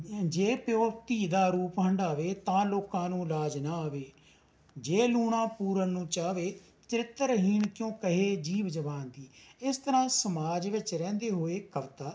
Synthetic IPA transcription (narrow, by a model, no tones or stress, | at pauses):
d͡ʒeːpjoːt̪iːd̪aːɾuːpɦəɳɖaːʋeːt̪ãːloːkãːnũːlaːd͡ʒnaːaːʋeː | d͡ʒeːluːɽãːpuːɾənːũːt͡ʃaːʋeː | t͡ʃəɾɪt̪ːəɾɦiːnkjõːkəɦeːd͡ʒiːʋd͡ʒəbaːnd̪iːɪst̪əɾãːsəmaːd͡ʒʋɪt͡ʃɾɛ̃ːnd̪eːɦoːeːkəʋt̪aː